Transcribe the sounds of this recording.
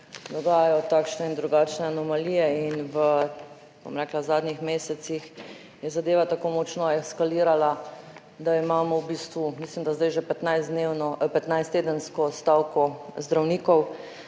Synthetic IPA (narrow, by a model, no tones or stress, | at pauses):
d̪ɔɡaːjajɔt̪aːkʃnɛind̪ɾuɡaːt͡ʃnɛanɔmalijɛinʋə | bo̰mɾɛːklazaːd̪nixmeːsɛt̪six | jɛzad̪eːʋat̪akoːmɔt͡ʃnɔɛskaliːɾala | d̪aimaːmɔwbiːst̪ʋumiːslimd̪azd̪ajʒɛpɛt̪najzd̪newnɔpɛt̪najst̪eːd̪ənskɔst̪aːwkɔzd̪ɾawniːkɔw